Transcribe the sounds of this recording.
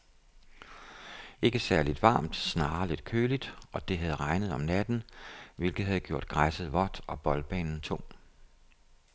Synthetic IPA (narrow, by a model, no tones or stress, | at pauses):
e̝ɡ̥əsæɐlid̥ʋɑ̈ːmd̥snɑ̈ːle̝d̥kʰøːlid̥ɒ̽d̥e̝ɦæðˠʁɑ̈ɪnəð̞̩ˠɒ̽mnæd̥n̩ʋe̝lɡ̥ð̩ˠhæð̞̩ˠɡ̥jo̝ɐ̰d̥̚ɡ̥ʁasəð̩ˠʋɒd̥ɒ̽b̥ɒ̽lb̥ɛ̰ːnn̩t͡sʰo̰m̰